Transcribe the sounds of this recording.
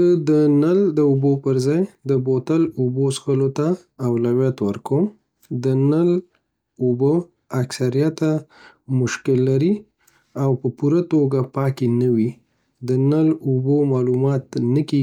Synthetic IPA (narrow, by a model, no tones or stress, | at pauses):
zəd̪ənald̪əubopəɾzɑjd̪əbot̪alubosxəlot̪aː | wlawjat̪wəɾkəm | d̪ənəl | ubo | aksaɾijat̪a | mʊʃkɪlːaɾi | awpəpuɾat̪oɡapɑkenəwi | d̪ənəlubomɑlumɑt̪nəke